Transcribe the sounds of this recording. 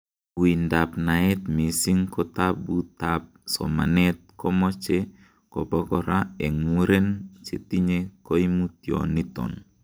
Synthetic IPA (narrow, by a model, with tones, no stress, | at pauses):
wi˨nda˨pna˨e˦t̪mi˨si˦ŋkɔ˦tapbu˦tap̚sɔ̰˨ma̰˨net̪̚kɔ˦mɔ˦t͡ʃe | ko˨bɔ˦ɡɔɾae˨ŋu˦ɾe˦nt͡ʃe˨ti˦ɲeko˦i˦mu˦tjo̰˨ni˦tɔ̰˨n